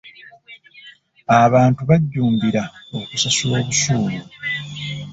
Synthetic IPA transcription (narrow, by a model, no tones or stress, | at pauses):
aβaːntuβaɟːuːmbiɾao̞kusasulo̞ːβusuːmu